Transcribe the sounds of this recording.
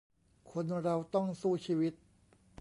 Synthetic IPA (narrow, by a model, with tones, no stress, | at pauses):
kʰo˧nɾa˧wt̪ɔ˥˩ŋsuː˥˩t͡ɕʰiː˧wi˦˥t̪̚